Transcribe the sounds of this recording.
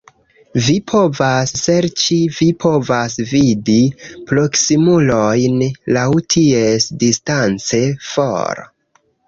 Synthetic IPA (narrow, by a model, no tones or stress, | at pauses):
vipʰo̞vasːeɾt͡ʃivipʰo̞vasvidipɾo̞ksimulojnlawtʰiesdistant͡se̞fo̰ɾ